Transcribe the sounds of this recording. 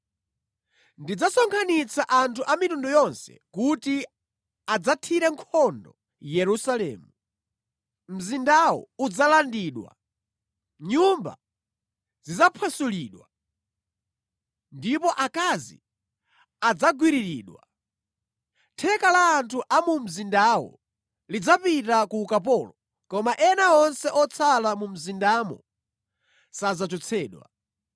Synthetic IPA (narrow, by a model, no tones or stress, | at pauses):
ndid͡zasɔŋkʰanit͡sʰaʔantʰuʔamitundujɔnsɛ̰kuti | ad͡zatʰiɾɛŋkʰɔndɔ | jɛɾusalɛ̰ːmu | m̩zindawɔ̰ud͡zalandiːɗwa̰ | ɲumba̰ | zizapʰasuliːɗwa | ndipɔʔakazḭ | ad͡zaɡwiɾiɾiːɗwa | tʰɛkalaːntʰuʔamum̩zindawɔ̰ | lid͡zapitakuːkap̬ɔːlɔ | kɔmaʔɛnaɔnsɛʔɔt͡sʰalamum̩zindaːmɔ̰ | sad͡zat͡ʃɔt͡sʰɛːɗwa̰